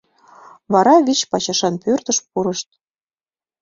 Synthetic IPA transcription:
βɑɾɑβʲit͡ɕpɑt͡ɕɑʃɑnpørt̪ə̆ʃpuɾɤ̆ʃt̪̚

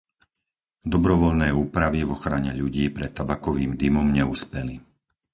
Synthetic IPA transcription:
d̪ɔbɾɔʋɔʎnɛːuːpɾaʋivɔxɾaɲɛʎuɟiːpɾɛt̪ːabakɔʋiːmd̪imɔmɲɛuspɛli

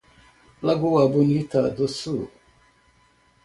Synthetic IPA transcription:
laɡuwabunitadosu

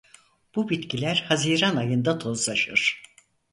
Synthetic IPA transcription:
b̥ubit̪cʰilʲæɾhaziːɾanajɯnd̪at̪ʰo̞zlˠaʃɯɾ̥

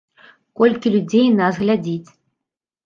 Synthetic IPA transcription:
kɔlʲkʲilʲud͡zʲejnasɣlʲad͡zʲit͡sʲ

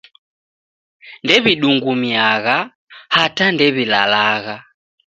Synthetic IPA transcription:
ndɛβiɗuŋɡumjaɣa | hatandɛβila̰laɣa

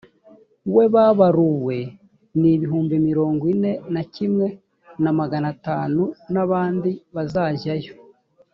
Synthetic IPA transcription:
we̞βaβaɾuwe̞ | niβiɦuːmbimiɾo̞ːŋɡwine̞nacimŋe̞ | namaɡanataːnunaβaːndiβazaːʒajo

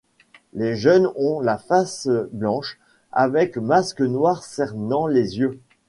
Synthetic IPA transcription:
leʒœnɔ̃lafasblɑ̃ʃ | a̰vɛkmaskənwaʁsɛʁnɑ̃lezjø

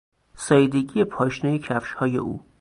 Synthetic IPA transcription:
sɒːjed̪eɡijepʰɒːʃnɒjecʰæfʃhɒːjḛʔṵː

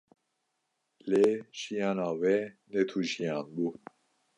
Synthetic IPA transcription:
leʒ̥ijɑːnɑːwɛnɛt̪ʰuʒijɑːnbuː

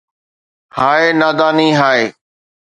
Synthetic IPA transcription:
haːeːnaːd̪aːniːɦaːeː

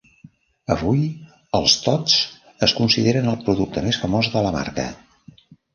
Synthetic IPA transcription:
əβuj | əlˠst̪ɔt͡s | əskunsiðeɾənəlˠpɾuðuk̚t̪əmesfəmɔzðələma̰rkə̰

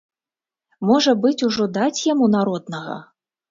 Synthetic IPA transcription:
mɔʐɐbɨt͡sʲuʐɔd̪at͡sʲjamunaɾɔd̪nɐɣɐ̰

